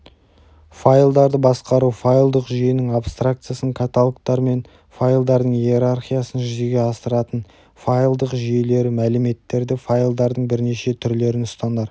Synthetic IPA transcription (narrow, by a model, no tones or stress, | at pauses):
fajlˠd̪ɑɾd̪əbɑsqɑɾufajlˠd̪əqʒijɪnɪŋapst̪rak̚t̪sɨjasəɴkʰat̪alˠkt̪ɑɾme̞n | fajlˠd̪ɑɾd̪əɴjieɾarχijasənʒʏze̞ɡʲe̞ɑsəɾɑt̪ən | fajlˠd̪əqʒijle̞ɾɪmælɪme̞t̪ːe̞ɾd̪ɪfajlˠd̪ɑɾd̪əɴbɪɾne̞ʃe̞t̪ʰʏɾle̞ɾɪnʊst̪ɑnd̪ɑɾ